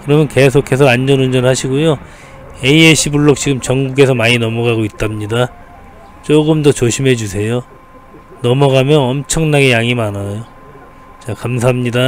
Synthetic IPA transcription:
kɯɾʌmjʌnke̞s̬ʰokʰe̞s̬ʰʌand͡ʑʌnund͡ʑʌnhaɕʰiɡojo | e̞ieɕʰibuɭːok̚t͡ɕiɡɯmt͡ɕʌŋɡuɡe̞s̬ʰʌmaɲinʌmʌɡaɡoit͈̚amɲida | t͡ɕ͈oɡɯmdʌt͡ɕoɕʰimɦe̞d͡ʑusʰe̞jo | nʌmʌɡamjʌnʌmt͡ɕʰʌŋnaɡe̞jaŋimanajo | t͡ɕakamsʰaɦamɲida

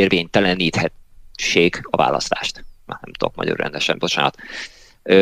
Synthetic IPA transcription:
eːrveːɲt̪ɛlɛniːt̪hɛʃeːɡɒva̰ːlɒst̪aːʃt̪manɛmt̪okmɒ̰ɟorːɛ̰nd̪ɛʃɛmbo̞t͡ʃaːnɒt̪

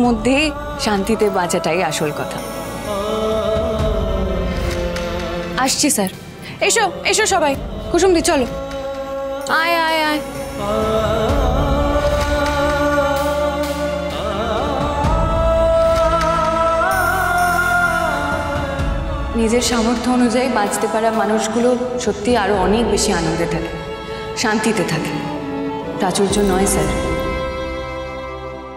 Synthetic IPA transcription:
mod̪ʱːe | ʃant̪it̪ebat͡ɕaʈajaʃolkɔt̪ʰa̰ | aʃt͡ɕʰisaɾ | eʃoeʃoʃɔbaj | koʃ̬umd̪it͡ɕʰɔlo | ajajaj | nid͡ʑeɾʃamoɾt̪ʰoonud͡ʑaebãt͡ɕt̪epaɾamanuʃɡuloʃot̪ːiaɾoɔnek̚beʃianond̪et̪ʰake | ʃant̪it̪et̪ʰake | t̪at͡ɕoɾd͡ʑonɔesaɾ

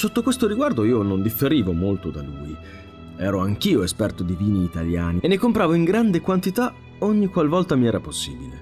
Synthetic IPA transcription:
sot̪ːokwest̪oɾiɡward̪oiːonond̪ifːeɾiːvomolt̪od̪alṵːi | ɛːɾoaŋk̟iːoespɛrt̪od̪iviːniːt̪aljaːnienːekompɾaːvoiŋɡɾand̪ekwant̪it̪a | oɲːikwalvɔlt̪amiɛːɾaposːḭːbilḛ

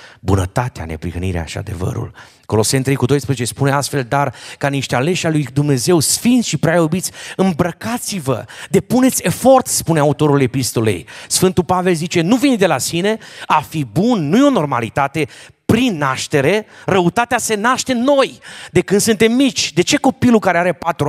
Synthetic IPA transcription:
bunət̪at̪ea̰nḛpɾihəniɾḛa̰ʃia̰d̪e̞̰və̰ɾṵl | ko̞lo̞sent̪ɾe̞jkud̪ojspɾezet͡ʃespuneast̪fe̞ld̪arkaniʃt̪eale̞ʃalujd̪umne̞ze̞wsfint̪sʃipɾʲalubit̪sʲɨmbɾəkat̪sivə̰d̪e̞pune̞t̪sʲe̞fo̞rt̪spuneaut̪o̞ɾule̞pist̪o̞lḛjsfɨnt̪upave̞lzit͡ʃe̞nuvind̪e̞lasine̞afibunːujo̞no̞rma̰lit̪at̪e̞ | pɾinːaʃt̪e̞ɾe̞rəut̪at̪ease̞naʃt̪e̞no̞jd̪e̞kɨnd̪sɨnt̪e̞mːit͡ʃʲd̪e̞t͡ʃe̞ko̞pilukaɾeaɾe̞pat̪ɾu

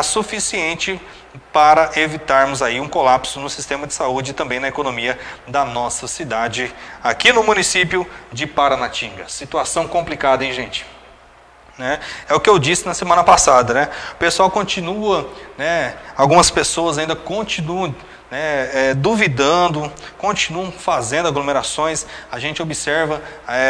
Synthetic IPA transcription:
asufisiẽnt͡ʃɪ | paɾɐʔevit̪aɾmʊzaiũkolapsʊnʊsist̪ẽmɐd͡ʒɪsaud͡ʒɪt̪ɐ̃mbẽj̃nɐekonõmiɐd̪ɐnɔsɐsid̪ad͡ʒɪakinʊmũnisipjʊd͡ʒɪpaɾɐnat͡ʃĩɡɐsit̪uasɐ̃w̃kõmplikad̪ɐẽj̃ʒẽt͡ʃɪ̥ | nɛɛʊkɪewd͡ʒisɪnɐsemɐ̃nɐpasad̪ɐnɛʊpesuawkõt͡ʃĩnuɐnɛawɡũmɐspesoɐzaĩd̪ɐkõt͡ʃĩnuɐ̃ | nɛɛd̪uvid̪ɐ̃d̪ʊkõt͡ʃinuɐ̃w̃fazẽnd̪ʊaɡlomeɾasõj̃saʒẽnt͡ʃɪobisɛɾvɐɛ

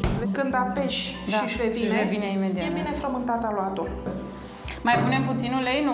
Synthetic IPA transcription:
lkɨnd̪apeʃdʃaiʃɾevineevineimed̪iateinefɾəmɨnt̪at̪aloat̪o | majpune̞mput̪sinulejn

